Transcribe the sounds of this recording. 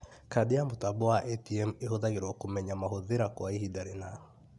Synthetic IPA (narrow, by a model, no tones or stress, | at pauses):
kadeamotabɔwaʔɛtiɛmehoðaɣeɾwɔkomɛɲamaɦoðeɾakwaiɦidaɾena